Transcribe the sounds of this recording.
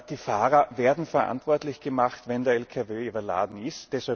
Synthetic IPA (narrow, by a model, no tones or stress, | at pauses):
d̥iːfaːʁɐveːɐdn̩fɛɐʔa̰ntv̥ɔɐtlɪçɡ̥əmaχtvɛndeːɐɛlkʰaveːyːbɐla̰ːdn̩ɪstːɛsha